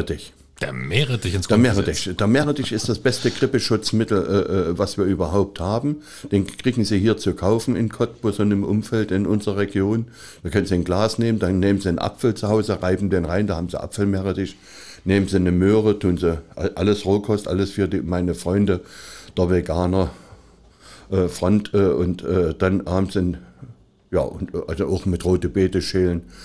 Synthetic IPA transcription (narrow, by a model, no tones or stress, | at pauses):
d̥ɪç | d̥emeːʁəd̥ɪçɪnsdeːɐmeːʁədɪçd̥eːɐmeːʁədɪʃɪstd̥asb̥ɛstəɡ̥ʁ̥ɪpəʃʊt͡smɪtl̩ʔɛʔɛːvasv̥iːɐʔyːbɐɦaʊp̚thaːbm̩ | d̥eːnkʁ̥iːɡŋ̩ziːɦiːɐt͡sukʰaʊfn̩ɪnkʰɔt̚b̥osʊnɪmʔʊmfɛltɪnʔʊnzʁɐʁeɡjoːn | d̥aɐkʰœnənziənɡlaːsneːməndanneːmənziənʔa̰pfl̩t͡suhaʊzəʁaɪbm̩deːnʁaɪndahaːbm̩zḭʔa̰pfl̩meːʁədɪʃ | neːmənzinəmøːʁətʰuːnziʔaʔa̰ləsʁoːkʰɔstʔa̰ləsfyːɐdiːmaɪnəfʁ̥ɔʏndəd̥əɐveɡaːnɐ | ʔɛːfʁ̥ɔntʰʔɛːʔʊntʔɛːd̥anhhaːbmzin | ja̰ːʔʊntʔazoʔaʊxmɪtʁoːtəbeːtəʃeːlən